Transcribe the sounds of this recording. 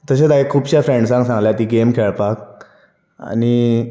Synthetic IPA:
t̪əɕ̬et̪aekʰːuːbɕjafɾẽɳɖsãŋɡsãŋɡljat̪iːɡemkʰeɭpak̚ | a̰ni

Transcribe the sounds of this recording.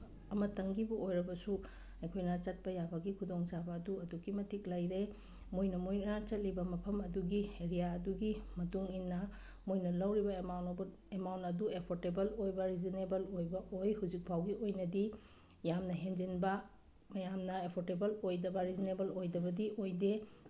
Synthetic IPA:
ɐmɐtɐŋɡibuojɾɐbɐsu | ɐjkʰojnɐt͡ʃɐt̚pɐjabɐɡikʰudɔŋt͡ʃabɐːduɐduɡimɐtʰik̚lajɾe | mojnɐmojnɐt͡ʃɐt̚libɐmɐpʰɐmɐduɡieɾijaɐduɡimɐtuŋinːɐ | mojnɐlɐwɾibɐawn | emawntɐduepʰoɾtebɐlojbɐɾizinebɐlojbɐʔojhuzik̚pʰawɡiʔojnɐdi | jamnɐɦend͡ʒinbɐ | mɐjamnɐepʰoɾtebɐlojdɐbɐɾizinebɐlojdɐbɐdiojde

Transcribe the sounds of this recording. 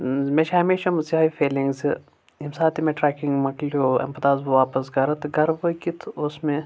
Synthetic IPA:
meʃɐɦɐmeːʃɐmziaːifeːliŋɡz | imsaːt̪ʰimẽʈɾɛːkĩŋɡmɐklioːɐ̰mpɐt̪aːzbuʋaːpɐsɡɐɾɐt̪ɡɐɾbokit̪ʰosmẽ

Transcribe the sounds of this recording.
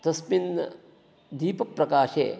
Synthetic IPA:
t̪ɐsmin | d̪iːpɐpɾɐkaːʃḛː

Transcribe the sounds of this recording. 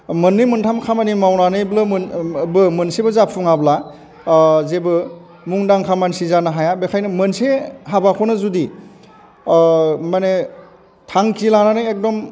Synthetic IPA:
mɯnːɯjmɯntʰamkʰamanimawnanɯjblɯnbɯmɯnsebɯzapʰuŋabla | zebɯ | muŋdaŋkʰamansizanaɦajabekʰajnɯmɯnseɦabakʰonɯzudi | mane | tʰaŋkilananɯjek̚dɔm

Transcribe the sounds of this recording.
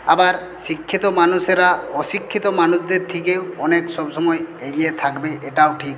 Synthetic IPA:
abaɾ | sikʰːit̪ɔmanuseɾaɔsikʰːit̪ɔmanusd̪eɾt̪ʰikewɔneksɔbsɔmɔjeɡijet̪ʰakbeʔeʈawʈʰik

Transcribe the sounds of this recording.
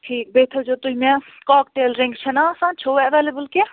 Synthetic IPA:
ʈʰiːk̚beːt̪ʰɐd͡ʒoːt̪uimɛ̃ | kɔːk̚ʈ̪eːlɾẽŋɡt͡ʃʰɐnasãːt͡ʃʰoːɐʋeːlebəlke

